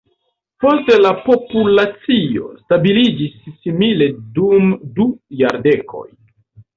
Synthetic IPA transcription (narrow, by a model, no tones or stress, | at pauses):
po̞ste̞lapo̞pulat͡sio̞̰stabilid͡ʒisːimile̞dumdujaɾde̞kʰo̞̰j